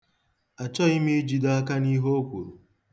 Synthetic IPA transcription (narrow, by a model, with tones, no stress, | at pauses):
a˨t͡ʃɔ˦i˦mi˦d͡ʒi˦da˦a˦ka˦ni˦ɦo˦o˦kʷu˨ɾu˨